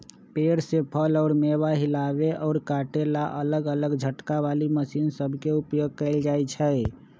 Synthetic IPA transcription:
peɾsepʰəlɔʊɾmeβaɦilaβeʔɔʊɾkaʈelaʔələɡələɡd͡ʒʱəʈkaβaliməsinsəbʱkeupjoɡ̚kəɪld͡ʒajt͡ʃʰə

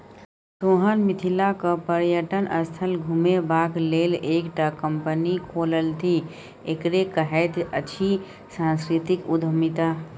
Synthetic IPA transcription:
soːɦənmɪt̪ʰilakəpəɾjəʈənʔəst̪ʰəlɡʱumebaːkleːleːkʈakəmpənikʰoːləlt̪ʰi | ekɾekəɦɛt̪ət͡ʃʰi | sãːnskɾɪt̪ɪkʊd̪ʱəmit̪a

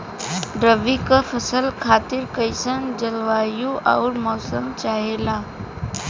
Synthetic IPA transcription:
ɖɾəʋikafʰəsəlkʰaːt̪ɪɾkəɪsənd͡ʒəlʋaːjũʔaʊɾmɔːsəmt͡ʃaːɦeːlaː

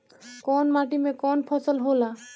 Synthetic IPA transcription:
kɔnmaʈimekɔnpʰɔsɔlɦola

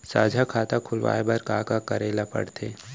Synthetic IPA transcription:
sa̰ːd͡ʒʱakʰaːt̪akʰʊlʋa̰ːebɐɾkaːkakəɾeːlapɐ̰ɽt̪ʰeː

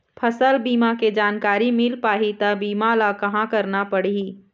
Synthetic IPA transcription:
pʰəsəlbiːmaked͡ʒaːnkaːɾimɪlpaːɦit̪ɐbiːmalakɐɦãkɐɾnapɐɽii

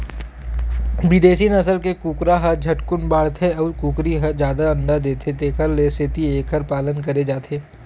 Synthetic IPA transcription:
bɪd̪eːsinɐsəlkekuːkɾaɦɐɾd͡ʒʱɐʈkʊnbaːɽt̪ʰeɔːɾkuːkɾiɦɐd͡ʒjaːd̪aɐ̃nɖ̪ad̪eːt̪ʰet̪eːkəɾlesɪt̪ieːkəɾpaːlənk̬ɐɾed͡ʒaːt̪ʰeː

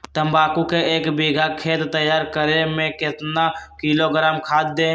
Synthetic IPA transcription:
t̪əmbaːkukeeːkbiɡʱakʰeːt̪t̪ːəjaːɾkəɾemẽkɪt̪nakiloɡɾaːmkʰaːd̪̚d̪e

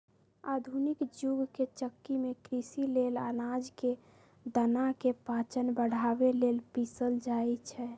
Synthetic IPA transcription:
a̰d̪ʱunikd͡ʒuɡket͡ʃəkːimekɾisilelanad͡ʒke | d̪ənakepat͡ʃənbəɽ̤abelelpisəld͡ʒaɛt͡ʃʰɛ

